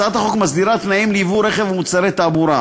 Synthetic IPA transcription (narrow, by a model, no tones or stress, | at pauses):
at̪haχokmasd̪iɾat̪naimliivuɾeχevmut͡saɾet̪aːbuɾa